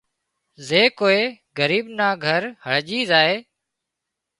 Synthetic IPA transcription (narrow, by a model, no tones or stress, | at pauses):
zeːkoːeː | ɡəɾiːɓnaːɡʱəɾhəɭʄiːzaːeː